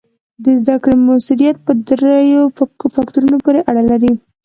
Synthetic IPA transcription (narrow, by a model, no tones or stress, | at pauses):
d̪əzd̪akɽemasuɾijat̪̚pəd̪ɾajofakt̪uɾunopoɾeʔaɽalaɾi